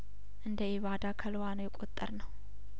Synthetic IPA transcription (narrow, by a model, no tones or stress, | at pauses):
ʔɨnd̪əeβad̪akʰəlwanəjɛkʼo̞t̪ʼːəɾnəw